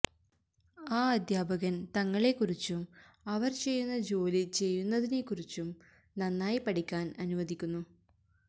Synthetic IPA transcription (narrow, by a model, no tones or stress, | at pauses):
aːɐd̪ʱjaːbɐɣɐnt̪ɐŋːɐɭe̞kurit͡ɕːum | ɐʋɐrt͡ɕe̞jːunːɐd͡ʑo̞ːlit͡ɕe̞jːunːɐðine̞kːurit͡ɕːum | nɐnːaːjipɐʈikʲːaːnɐnuʋɐd̪ikʲːunːu